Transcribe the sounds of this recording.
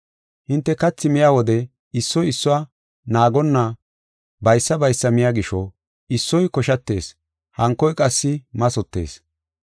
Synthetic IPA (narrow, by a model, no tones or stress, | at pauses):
hɪnt̪ːɛkɐt͡sːɪmɪjaːwɔd̪ɛ | ɪsːɔjɪsːʊwaː | naːɡɔnːɐ | bɐjsːɐbɐjsːɐmɪjaːɡɪʃɔ | ɪsːɔjkɔʃɐt̪ːe̞̰ːs | hɐŋkːɔjkʼɐsːɪmɐsɔt̪ːe̞̰ːs